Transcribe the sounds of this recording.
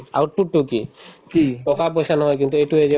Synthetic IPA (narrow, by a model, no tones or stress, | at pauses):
a̰uʈuʈːukikiʈɔkap̬ojʃanɔɦɔjk̬int̪ueʈued͡ʑe